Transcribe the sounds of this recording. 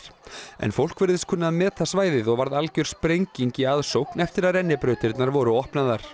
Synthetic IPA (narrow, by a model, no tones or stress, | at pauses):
ɾɛ̰nfowl̥kvɛɾðɪskʰʏnːaðmɛːt̪asvaːjðɪðɔɣvaɾðalcœɾ̥spɾejɲciɲcɪaðsowknɛft̪ɪɾaðrɛnːɪpɾœɥt̪ɪɾt̪naɾvɔːɾʏɔhpnaðaɾ̥